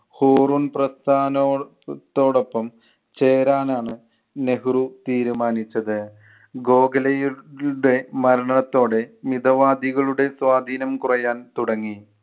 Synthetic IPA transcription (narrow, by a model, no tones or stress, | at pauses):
hoːruːnprɐst̪ʰaːno | t̪ːo̞ːɽo̞pːɐm | t͡ɕeːɾaːnaːɳɨ | ne̞ɦrut̪iːɾumaːnit͡ɕːɐðɨ | ɡo̞ːɡɐlɐjuɽe̞mɐɾɐɳɐɳɐt̪ːo̞ːɽe̞mid̪ɐʋaːd̪iɣɐɭuɽe̞swaːd̪ʱiːnɐmkurɐjaːnt̪uɽɐŋːi